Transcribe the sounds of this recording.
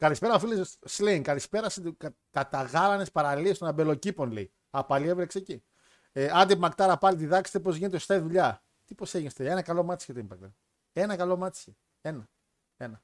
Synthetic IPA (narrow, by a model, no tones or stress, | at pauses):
kɐlispeɾɐofilissliŋkɐlispe̞ɾɐs | kɐt̪ɐɣɐlɐne̞spɐɾɐliest̪onɐbe̞lo̞cipo̞nlḛi | ɐpɐlievɾekseeci | eɐnd̪ipmɐkt̪ɐɾɐpɐlit̪̬iðɐkse̥st̪epo̞zʝinet̪est̪ɐiðuʎɐ | t̪iposeʝinst̪eenɐkɐlo̞mɐt̪ise̥et̪oimpɐk̚t̪e | e̞nɐkɐlo̞mɐt̪se | e̞nɐ | e̞nɐ